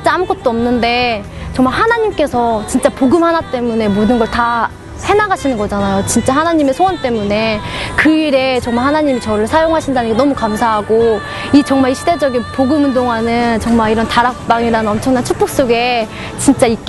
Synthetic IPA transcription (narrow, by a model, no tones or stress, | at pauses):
t͡ɕit͡ɕ͈aamkɡʌt̚t͈oʌmnɯnde̞ | t͡ɕʌŋmaɭɦanaɲimk͈e̞sʰʌt͡ɕint͡ɕ͈apoɡɯmhanat͈e̞mune̞modɯnɡʌɭta | he̞naɡaɕʰinɯnɡʌd͡ʑanajot͡ɕint͡ɕ͈aɦanaɲimesʰoʌnt͈e̞mune̞kɯiɾe̞t͡ɕʌŋmaɭhanaɲimit͡ɕʌɾɯɭsʰajoŋɦaɕʰindaɲɯkʰenʌmukamsʰaɦaɡo | it͡ɕʌŋmaɾiɕʰide̞d͡ʑʌɡinpoɡɯmɯnd̬oŋanɯnt͡ɕʌŋmaɾiɾʌntaɾak̚p͈aŋiɾanɯnʌmt͡ɕʰʌŋnant͡ɕʰuk̚p͈ok̚s͈oɡe̞ | t͡ɕint͡ɕ͈aik͈